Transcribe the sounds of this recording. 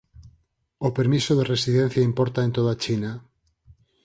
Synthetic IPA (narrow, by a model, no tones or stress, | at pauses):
opeɾmisoðeresið̞en̟θjaimpoɾt̪aent̪oð̞at͡ʃina